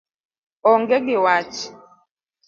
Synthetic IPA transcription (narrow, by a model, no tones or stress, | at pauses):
ɔŋɡɛɡɪwat͡ʃi̥